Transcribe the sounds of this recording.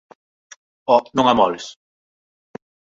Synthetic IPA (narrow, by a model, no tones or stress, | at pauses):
ɔnõŋamɔles